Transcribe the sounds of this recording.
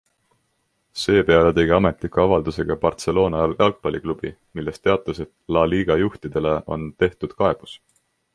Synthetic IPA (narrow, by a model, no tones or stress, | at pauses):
se̞ːpe̞ɑlet̪e̞ɡ̥iɑme̞t̪ˑlikːˑuɑvɑld̪use̞ɡ̥ɑpɑrt̪se̞lo̞ːnɑjɑlɑlk̚pɑliklub̥i | milːe̞st̪eɑt̪ːˑuset̪lɑliːɡ̥ɑjuht̪id̪̥e̞le̞ʔo̞̰nt̪e̞ht̪ud̪̥kɑe̞b̥us